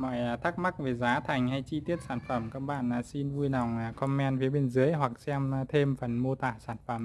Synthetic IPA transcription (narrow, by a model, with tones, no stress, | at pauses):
mɔ̰˧˨jt̪ʰa˦˥k̚ma˦˥k̚ve˨˩zaː˨˦t̪ʰa˨˩jŋ̟ha˧jt͡ɕi˧t̪i˦˥ət̚saː˧˩nfə˧˩mkaː˦˥k̚ɓa̰ː˧˨na˨˩si˧nvu˧jna˨˩wŋ͡mkɔ˧mːɛ˧nfi˨˦əɓe˧nzɨ˨˦əjɦwa˨˩k̚sɛ˧m˧t̪ʰe˧mfə˨˩nmo˧t̪aː˧˩saː˧˩nfə˧˩m